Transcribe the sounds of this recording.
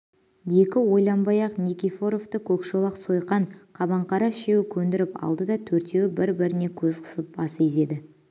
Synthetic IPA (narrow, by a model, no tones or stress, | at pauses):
je̞kʲɪwo̞jlˠɑmbɑjɑqnikʲifo̞ɾo̞ft̪əkʲʰɵkʃolˠɑqso̞jqɑɴqʰɑbɑɴqɑɾɑʃe̞wɪkʲʰɵnd̪ɪɾɪpɑ̰lˠd̪əd̪ɑt̪ʰɵɾt̪e̞wɪbɪɾbɪɾɪne̞kʲʰɵzqʰə̥səp̚bɑseze̞d̪ɪ